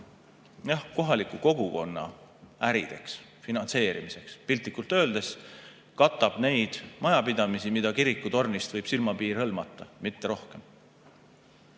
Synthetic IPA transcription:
jɑhko̞ɦɑlikːˑuko̞ɡ̥uko̞nːɑ̰ | æɾid̪̥e̞ks | finɑnse̞ːɾḭmise̞kspilt̪ˑːikːˑult̪ːˑø̞ːld̪̥e̞s | kɑt̪ːˑɑb̥ne̞jd̪̥mɑjɑpid̪̥ɑmisimid̪̥ɑkiɾikːˑut̪o̞rnist̪vɤjb̥silmɑpiːrhɤ̞lmɑt̪ːˑɑmit̪ːeɾo̞hke̞m

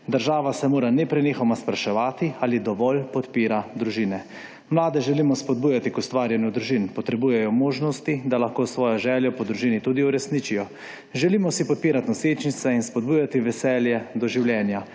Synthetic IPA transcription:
d̪əɾʒaːʋasɛmoːɾanɛpɾɛnixɔmaspɾaʃɛʋaːt̪ialid̪ɔʋɔlpɔt̪piːɾad̪ɾuʒiːnɛ | mlaːd̪ɛʒɛliːmɔspɔd̪̚buːjat̪ikust̪ʋaːɾjɛnjud̪ɾuʒiːnpɔt̪ɾɛbuːjɛjɔmoːʒnɔst̪id̪alaxkoːsʋɔːjɔʒɛːljɔpɔd̪ɾuʒiːnit̪ud̪iuɾɛsnit͡ʃijɔ | ʒɛliːmɔsipɔt̪̚piːɾat̪nɔseːt͡ʃnit̪sɛinspɔd̪̚buːjat̪iʋɛsɛːljɛd̪ɔʒiwljɛːnja

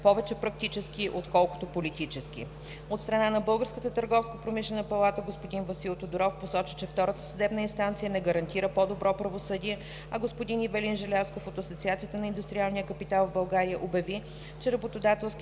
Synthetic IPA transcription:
pɔvɛt͡ʃɛpɾɐk̚t̪it͡ʃɛskiʔot̪kɔlˠkot̪opolit̪it͡ʃɛsk̟ḭ | ot̪st̪ɾɐnanɐbɤlˠɡəɾskət̪ət̪əɾɡɔfskəpɾomiʃlɛnəpɐlˠat̪əɡospod̪invɐsilˠt̪od̪oɾɔfposɔt͡ʃə̥t͡ʃɛft̪ɔɾət̪ə̥sɐd̪ɛbnəinst̪ant̪sijənɛɡəɾɐnt̪iɾəpod̪obɾɔpɾɐvosɤd̪iɛ | ɐɡospod̪inivɛlinʒɛlʲaskofot̪ɐsot̪siat̪sijət̪ənɐind̪ʊst̪ɾʲialˠnijəkəpit̪alˠvbɐlˠɡaɾiəʔobjɐvi | t͡ʃɛɾɐbot̪od̪at̪ɛlˠsk

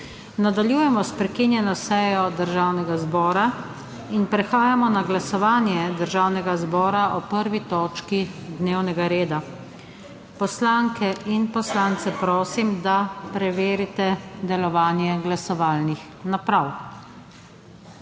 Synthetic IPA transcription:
nad̪aljuːjɛmɔspɾɛkinjɛnɔsɛjɔd̪əɾʒaːwnɛɡazbɔːɾa | inpɾɛxaːjamɔnaɡlasɔʋaːnjɛd̪əɾʒawnɛɡazbɔːɾaɔpəɾʋit̪ɔːt͡ʃkid̪neːwnɛɡaɾeːd̪a | pɔslaːŋkɛʔinpɔslaːnt̪sɛpɾoːsimd̪apɾɛʋeːɾit̪ɛd̪ɛlɔʋaːnjɛɡlasɔʋaːlnix | napɾaw

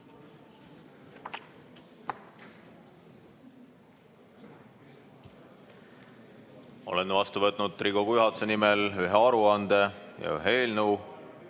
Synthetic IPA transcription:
o̞̰lenːvɑst̪uvɤt̪ːˑnud̪̥̚t̪riɡokujyɦɑt̪use̞nimelyɦeɑɾuɑnd̪̥ejɑ̰y̰ɦeeːlnuw

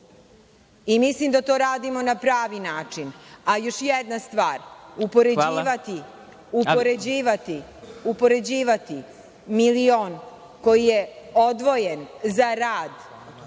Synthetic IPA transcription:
imislimd̪at̪o̞ɾaːd̪imo̞napɾaːʋinaːt͡ʂinajo̞ʃjɛd̪nast̪ʋaːɾupo̞ɾeiʋat̪i | upoɾed͡ʑiːʋat̪iupo̞ɾe̞d͡ʑiːʋat̪i | milioːn | ko̞jijeo̞d̪ʋo̞jenzaɾaːd̪

